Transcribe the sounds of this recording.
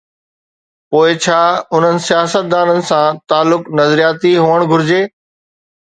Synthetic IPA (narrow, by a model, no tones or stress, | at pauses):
poːɪt͡ɕʰaːʊn̤ənɪ̆sijaːsət̪̚d̪aːnənɪ̆sãt̪aːlːʊknɐzɾijaːt̪iɦuːʋəɽ̃ɡʱʊɾɪd͡ʑeː